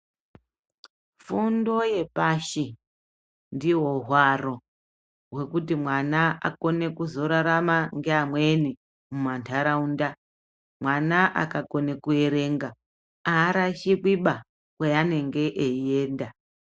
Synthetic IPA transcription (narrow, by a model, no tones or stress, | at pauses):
fundo̞je̞paʃi | ndiwo̞ɦwaro̞ | we̞kutimwanaa̰ko̞ne̞kuzo̞ɾaɾamaŋɡeamwe̞ni | mumantʰaɾaunda | mwanaʔa̰kako̞ne̞kue̞ɾe̞ŋɡa | aːɾaʃikwiɓa | kweane̞ŋɡe̞ʔeie̞ːnda